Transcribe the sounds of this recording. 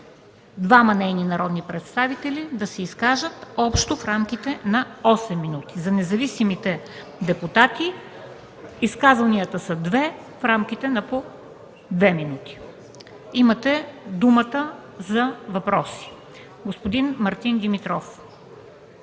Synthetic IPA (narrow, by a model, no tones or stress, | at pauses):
d̪vamɐnɛjninɐɾɔd̪nipɾɛt̪st̪avit̪ɛlid̪ɐsɛiskaʒət̪ɔpʃt̪ofɾamk̟ʲit̪ɛnɐɔsɛmːinut̪i̥zɐnɛzɐvisimit̪ɛ | d̪ɛput̪at̪i | iskazvɐniət̪əsɐd̪vɛ | fɾamk̟it̪ɛnɐpo | d̪vɛminut̪i̥ | imət̪ɛd̪umət̪əzɐvɐpɾɔsi̥ | ɡospod̪inmɐɾt̪ind̪imit̪ɾɔf